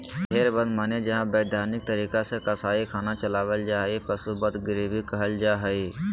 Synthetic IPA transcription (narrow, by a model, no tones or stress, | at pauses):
ɦeːɾbə̃d̪maːned͡ʒɐɦãbeːd̪ʱjaːɾnɪk̚t̪əɾiːkasekɐsaːikʰaːnat͡ʃɐlaːʋəld͡ʒaːɦipəsubət̪ɡɪɾiːbʱikɐɦəld͡ʒaːɦəiː